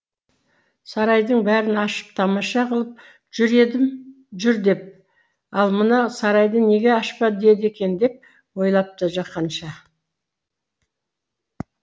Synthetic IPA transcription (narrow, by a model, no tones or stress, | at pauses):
sɑɾɑjd̪əɴbæɾɪnɑʃə̥p̚t̪ʰɑmɑʃɑqəlˠəp̚ | ʒ̥ʏɾe̞d̪ɪm | ʒʏɾd̪e̞p̚ | ɑlˠmənɑsɑɾɑjd̪əne̞ɡʲe̞ɑʃpɑd̪e̞d̪e̞kʲe̞nd̪e̞p̚ | wo̞jlˠɑp̚t̪əʒɑqːɑnʃɑ